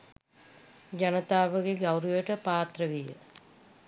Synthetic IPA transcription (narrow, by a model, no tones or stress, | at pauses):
d͡ʒanət̪aːʋəɡeɡɐwɾujəʈəpaːt̪rəʋijə̰